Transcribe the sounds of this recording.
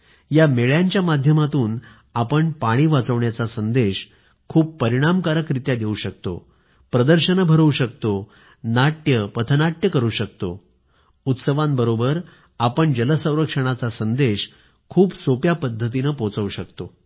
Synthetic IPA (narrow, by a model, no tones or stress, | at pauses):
jameɭjaɲt͡ɕjamad̪ʱjəmat̪uːn | apəɳpaɽ̃iːʋat͡səʋɳjat͡sasənd̪eɕ | kʰuːbpəɾiɽ̃amkaɾəkɾit̪jad̪jeuɕək̚t̪o̰ | pɾəd̪əɾɕənəbʱəɾəuɕək̚t̪o | naʈjəpət̪ʰənaʈjəkəɾuːɕək̚t̪o | ut̪səʋãmbəɾobəɾ | apəɳd͡ʑələsə̃w̃ɾəkʂəɽ̃at͡sasənd̪eɕ | kʰuːpsopjapəd̪ʱːət̪̬inəpot͡səuɕəkt̪o